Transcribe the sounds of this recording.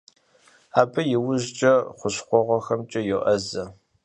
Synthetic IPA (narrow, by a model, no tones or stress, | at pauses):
aːbɐjɪwʊʑt͡ʃʼɐχʷʊɕχʷɔʁʷɔxɐmt͡ʃʼɐjɛʔɐzɐ